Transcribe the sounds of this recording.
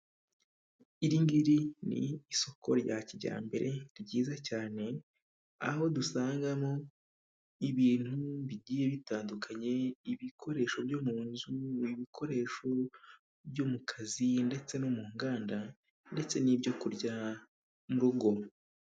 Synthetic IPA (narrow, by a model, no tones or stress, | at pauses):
iɾiŋɡiɾinḭːso̞kʰo̰ɾɟaciɟa̰ːmbe̞̰ɾʔe̞ɾɟiːzacaːne̞ | a̰ho̞dusaːŋɡamo̞ | iβiːn̥huβiɟiːje̞βitaːndukʰaɲe̞iβikʰo̞ɾe̞ːʃo̞bjomuːnzuiβikʰo̞ɾe̞ːʃo̞ | bjomukʰazinde̞t͡se̞nomuːŋɡaːnda | nde̞t͡se̞nibɟo̞kuɾɟa | muɾuɡo̞